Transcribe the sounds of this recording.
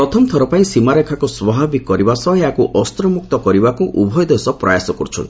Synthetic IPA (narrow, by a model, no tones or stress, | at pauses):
pɾɔt̪ʰɔmt̪ʰɔɾɔpaĩsimaɾekʰakuswɔbʱabikːɔɾibasɔɦeakuʔɔst̪ɾɔmuk̚t̪ɔkɔɾibakuʔubʱɔjd̪esɔpɾɔ̰jasɔkɔɾut͡ʃʰɔ̰nt̪i̥